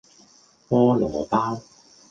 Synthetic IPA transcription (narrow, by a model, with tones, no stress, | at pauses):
pɔː˥lɔː˨˦paː˥w